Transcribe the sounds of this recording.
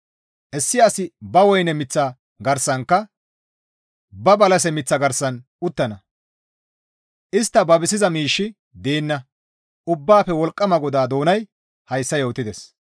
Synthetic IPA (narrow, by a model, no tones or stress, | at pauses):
ʔɛsːɪjaːsɪbɐwɔjnɛmɪt͡sːɐ | ɡɐɾsːɐŋkːɐ | bɐbɐlɐs̬ɛmɪt͡sːɐɡɐɾsːɐn | ʊt̪ːɐnɐ | ʔɪst̪ːɐbɐbɪsɪzɐmiːʃːɪ | d̪eːnːɐ | ʔʊbːaːpɛwɔlkʼːɐmɐɡɔd̪aːd̪o̞ːnɐj | hɐjsːɐjoːt̪ːɪd̪ɛs